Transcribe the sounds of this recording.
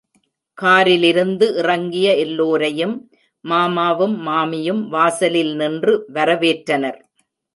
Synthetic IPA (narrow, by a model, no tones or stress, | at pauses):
kaːɾɪlɪɾɯnd̪ɯʔɪrɐŋɡɪjɐɛlːoːɾɐjɯmː | aːmaːʋɯmːaːmɪjɯmʋaːsɐlɪlnɪndrɯʋɐɾɐʋeːʈɾɐnɐɾ